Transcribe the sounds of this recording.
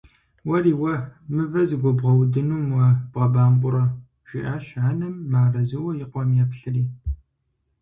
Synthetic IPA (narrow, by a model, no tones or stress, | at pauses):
wɐriːwɐmɨvɐzɨɡʷɔbʁɐwdɨnuːmwɐb̥ʁɐbaːmbʷʼʊɾɐ | ʒ̥ɪ̰ʔaːʃʕaːnɨmːaːrɐzɨwɐjɪqʷɔmjɛpɬɨriː